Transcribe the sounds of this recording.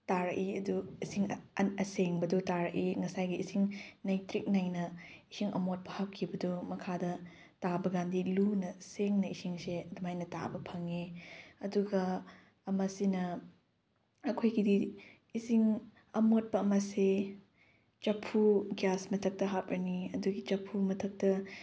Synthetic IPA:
taɾɐkiɐduisiŋɐseŋbɐdutaɾɐʔiŋɐsajɡiːsiŋnajtɾik̚najnɐisiŋɐ̰mot̚pɐhap̚kʰibɐdumɐkʰadɐ | tabɐɡandilunɐseŋnɐisiŋseɐdumajnɐta̰bɐpʰɐŋeɐduɡɐː | mɐsinɐ | ɐkʰojɡidi | isiŋ | ɐmot̚pɐːmɐse | t͡ʃɐpʰːuɡjasmɐtʰɐk̚tɐɦap̚ɾɐniɐduɡit͡ʃɐpʰːumɐtʰɐk̚tɐ

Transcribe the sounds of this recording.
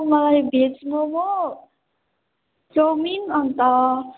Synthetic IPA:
mʌlajbʱet͡smomo | kominʌnt̪ʌ

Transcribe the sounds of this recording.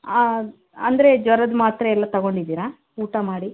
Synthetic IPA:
a | ɐnd̪ɐɾe̞d͡ʒʋɐɾɐd̪maːt̪ɾɐɛlːɐt̪ɐɡo̞ɳɖid̪iːɾa | uːʈɐmaːɽi

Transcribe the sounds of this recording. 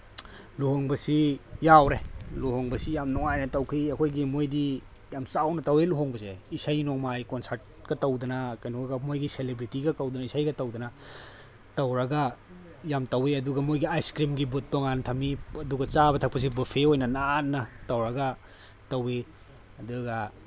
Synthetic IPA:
luɦoŋbɐsijawɾeluɦoŋbɐsijamnɔŋajnɐtɐwkʰiɐkʰojɡimojdi | jamsawnɐtɐweluɦoŋbɐseisajnɔŋmajkonsaɾt̚kɐtɐwdɐnɐkajnoɡɐmojɡiselebɾitiɡɐkɐwdɐnɐisajɡɐtɐwdɐnɐ | tɐwɾɐɡɐ | jamtɐweɐduɡɐmojɡiajskɾimɡibut̚ːɔŋantʰɐmiɐduɡɐt͡ʃabɐtʰak̚pɐs̬ibɐpʰeojnɐnaːtnːɐtɐwɾɐɡɐ | tɐwe | ɐduɡɐ

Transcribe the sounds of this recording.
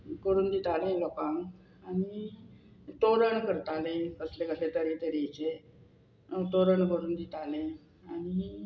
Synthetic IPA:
kəɾuːnd̪it̪aleləpãŋ | ani | t̪oɾəɳkəɾt̪alẽkəslekəset̪əɾit̪əɾit͡ɕe | t̪oɾəɳkəɾuːnd̪it̪ʰale | aɽ̃i

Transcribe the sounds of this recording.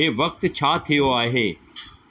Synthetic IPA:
eːʋɐk̚t̪t͡ɕʰaːt̪ʰijoaːɦeː

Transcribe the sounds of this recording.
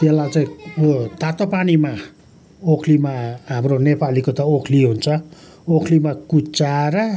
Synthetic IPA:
jelːat͡saĩt̪at̪opanima | okʰlimaɦamronepalikot̪ʌokʰliɦunt͡sʰʌ | okʰlimakut͡saɾʌ

